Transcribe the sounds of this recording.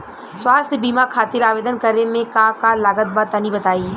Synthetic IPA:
swaːst̪ʰbiːmakʰaːt̪ɪɾaːʋeːd̪ənkəɾemẽkakaːlaːɡət̪̚baːt̪ːɐnĩbɐt̪aːiː

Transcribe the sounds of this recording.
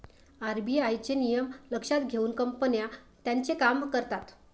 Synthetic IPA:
aɾbiajt͡ɕenijəmləkʂat̪ɡʱeuːnkəmpənja | t̪jãnt͡sekamkəɾt̪at̪

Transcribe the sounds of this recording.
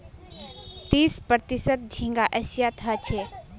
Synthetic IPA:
t̪iːspɾəɾt̪isət̪̚d͡ʒʱĩŋɡaʔəʃijat̪ʰət͡ʃʰeː

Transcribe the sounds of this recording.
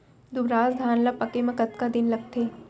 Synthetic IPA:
d̪ʊbɾaːzd̪ʱaːnlapɐkemɐ̃kɐt̪̚kad̪ɪnlɐɡ̚t̪ʰeː

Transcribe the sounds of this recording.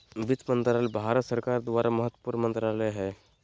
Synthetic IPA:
bɪt̪mə̃nt̪ɾaːlebʱaːɾət̪səɾkaːɾd̪ʋaːɾaməɦət̪wəpuːɾnmə̃nt̪ɾaːləɦɛː

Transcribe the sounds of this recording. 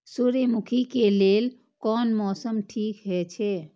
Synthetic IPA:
suɾemukʰikelel | kɔːnmɔːsəmʈʰikɦɛt͡ʃʰɛ

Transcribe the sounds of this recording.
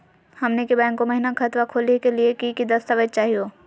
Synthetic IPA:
hɐmnekebɛ̃ːŋkːomɐɦɪnakʰɐt̪ʋakʰoːlekeliekikid̪ɐst̪aʋəd͡ʒ̚t͡ʃaːɦijoː

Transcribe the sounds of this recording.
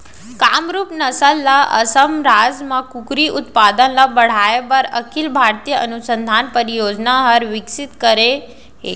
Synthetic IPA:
kamɾuːpnəsəlːaʔə̰səmɾad͡zmakukɾiʔut̪pad̪ənlabəɽ̤ajebəɾəkʰilbʱaɾt̪ijəənusənd̪ʱanpəɾijod͡znaɦəɾʋiksit̪kəɾe | ɦe

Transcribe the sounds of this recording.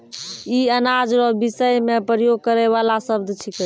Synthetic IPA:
iənad͡ʒɾɔbisəjmepɾəjoɡ̚kəɾɛβalasəb̚d̪ʱt͡ʃʰik

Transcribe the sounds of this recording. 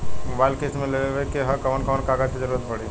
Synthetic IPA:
mobaɪlkeːsmẽleʋekeɦɐkɐʋənkɐʋənkaɡad͡ʒkid͡ʒəɾuɾət̪pɐɽi

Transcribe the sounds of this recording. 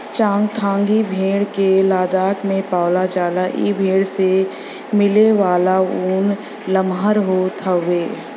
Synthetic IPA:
t͡ʃãːŋɡt̪ʰãːŋɡibʱeːɽkelaːd̪aːk̪mẽpaːlat͡ʃaːlaʔḭːbʱeːɽse | mɪleʋaːlauːn | ləmɦəɾɦot̪ʰəʋeː

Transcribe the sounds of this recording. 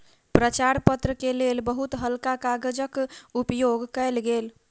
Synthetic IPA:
pɾət͡ʃaɾpət̪ɾəkelelbəɦut̪ɦəlkakaɡəd͡ʒəkupjoɡkəjlɡel

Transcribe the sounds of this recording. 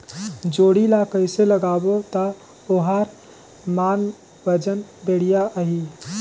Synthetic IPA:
d͡ʒoɽilakəjseləɡabot̪ə | oɦəɾ | man | bəd͡ʒənbeɽ̤ijaʔəɦi

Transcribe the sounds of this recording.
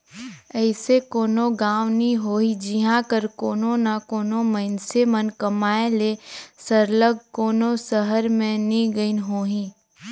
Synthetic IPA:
ɛɪsekoːnoɡaːʋniɦoːid͡ʒiɦãkəɾkoːnonakoːnoməɪnsemənkɐmaːelesəɾləɡkoːnosəɦəɾmẽnĩɡəinɦoːɦĩː

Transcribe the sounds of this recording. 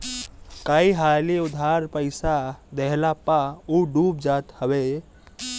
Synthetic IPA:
kaiɦaliud̪ʱaɾpəɪsad̪eɦlapauɖupd͡ʒat̪həbe

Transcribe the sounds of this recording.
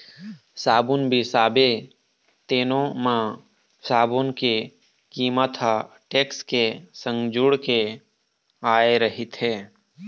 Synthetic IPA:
saːbʊnbʱisaːbe | t̪eːnõmã | saːbonke | kiːmət̪ɦa | ʈeːkskesə̃ŋɡd͡ʒʊɽke | aːeɾəɦɪt̪ɦɛː

